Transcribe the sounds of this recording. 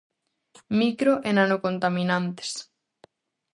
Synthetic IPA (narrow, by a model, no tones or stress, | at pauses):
mikɾoʔenanokont̪amĩnãnt̪e̥s